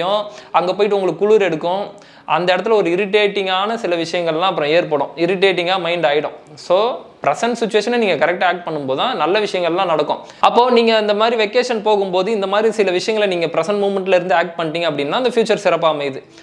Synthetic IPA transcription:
jõɐŋɡɐpoːjɪʈːɯʊŋɡɐɭɯkːɯːʊɭuːɾɛɽɯkːʊ̃ | ʔɐnd̪ɐɛɽɐt̪ːɪlɐɔɾɯɪɾɪʈeːʈːɪŋɡaːnɐsɪlɐʋɪʂɐjɐŋɡɐɭɛlːãːɐp̬ːɯɾɔ̃eːɾpoːɽʊ̃ɪɾɪʈ̬ːeːʈ̬ːɪŋɡaːmɐɪɳɖaːjɪɽʊ̃ | soːpɪɾɛsɐɳʈsɪt͡ʃːʊʋeːʂɐnniːŋɡɐkɐɾɛk̚ʈːaaːk̚ʈ̚pɐɳːɯmpoːðãːnɐlːɐʋɪʂɐjɐŋɡɐɭlãːnɐɽɐkːõ̰ | ɐpːoːniːŋɡɐɪnd̪ɐmaːd̪ɾiʋɛkːeːʂɐnpoːɣɯmpoːðɯɪnd̪ɐmaːd̪ɾisɪlɐʋɪʂɐjɐŋɡɐɭniːŋɡɐpɪɾɐsɐɳʈmuːmɛɳʈɪlɪɾɯnd̪ɯaːk̚ʈ̚pɐɳːʈːiːŋɡɐp̬ːɐɽɪnːãːɪnd̪ɐfjuːt͡ʃːɐɾsɪɾɐpːaːmɐɪðɯ

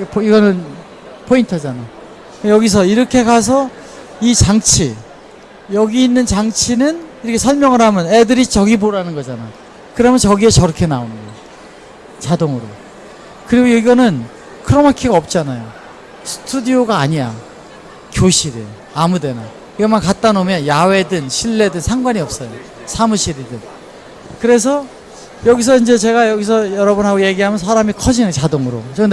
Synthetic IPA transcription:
piɡʌnɯn | pʰointʰʌd͡ʑanaj | jʌɡis̬ʰʌiɾʌkʰe̞kas̬ʰʌ | it͡ɕaŋt͡ɕʰi | jʌɡiːnːɯnt͡ɕaŋt͡ɕʰinɯniɾʌkʰesʰʌɭmjʌŋɯɾɦamjʌnedɯɾit͡ɕʌɡiboɾanɯnɡʌd͡ʑana | kɯɾʌmjʌnt͡ɕʌɡie̞t͡ɕʌɾʌkʰe̞naonɯnɡʌjo | t͡ɕadoŋɯɾo | kɯɾiɡoiɡʌnɯn | kʰɯɾʌmakʰiɡaʌp̚t͡ɕ͈anajo | sʰɯ̥tʰudioɡaːɲija | kjoɕʰiɾi | amude̞na | iɡʌmankat͈anomjʌnjawe̞dɯnɕʰiɭːe̞dɯnsʰaŋɡwaɲiʌp̚s͈ʌjo | sʰamuɕʰiɾidɯn | kɯɾe̞s̬ʰʌ | jʌɡis̬ʰʌind͡ʑe̞t͡ɕe̞ɡajʌɡis̬ʰʌjʌɾʌbɯnɦaɡoje̞ɡiɦamjʌns̬ʰaɾamikʰʌd͡ʑinɯnt͡ɕadoŋɯɾot͡ɕo

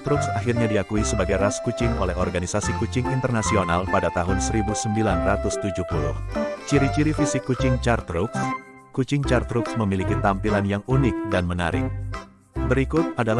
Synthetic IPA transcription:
t̪ɾʊksaɦirɲadiakuisəbaɡajraskut͡ʃɪŋo̰lɛɦɔrɡanisasikut͡ʃɪŋint̪ərnasionalpadat̪aɦʊnsəɾibusəmbilanrat̪ʊst̪ud͡ʒuhpulʊ̰ht͡ʃiɾit͡ʃiɾifisɪkːut͡ʃɪŋt͡ʃart̪ɾʊks | kut͡ʃɪŋt͡ʃart̪ɾʊksməmilikit̪ampilanjaŋunɪk̚danməna̰ɾɪ̰k̚ | bəɾikʊt̪̚adala

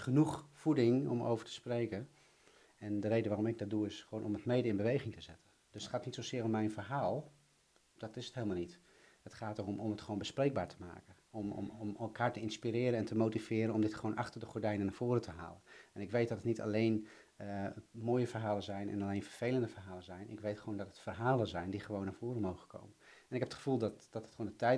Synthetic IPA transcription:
χənuχfudɪŋɔ̰mo̰wvəɹtə̥sprejkən | ɛndərejdəʋaːrɔmɪɡ̚dt̚duɪsχʋoːnɔmətmejdəɪnbəʋejχɪŋtəzɛtən | d̥ʏsətχaːtnitsowszɪːɾɔmːɛjnfərɦaːlˠ | d̥ɑtɪsətɦeːlˠmalˠnit | ətχaːtoɔmɔmətχʋoːnbəsprejɡ̚baːɹtʰə̥ma̰ːkə | ɔmɔ̰mɔmɛlˠkaːɹtəɪnspiɾɪːɾənɛntəmowtivɪːɾənɔmdɪtχəʋownʔɑχtərdəχɔɹdɛjnənːaːɹv̥oːɾətʰəɦa̰ːlənɛnɪkʋejt̚dɑtətnitɑ̰lejn | əmoːjəvərɦaːlənzɛjnɛ̰naɑlejnfərv̥ejləndəfərɦaːlənzɛjnʔɪ̰kʋejtχəʋowndɔtətfərɦaːlənzɛjndiχəʋownːaːv̥oːɾəmowχəkʰo̰wmən | ɛnɪkɦɛpətχə̥v̥ulˠdɑtd̥ɑtətχondətɛj

